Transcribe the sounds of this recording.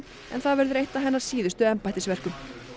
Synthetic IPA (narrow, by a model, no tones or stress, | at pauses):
ɛ̰nθavɛɾðʏɾejht̪aɦɛnːaɾ̥siːðʏst̪ʏɛmpajt̪ɪsvɛr̥kʏm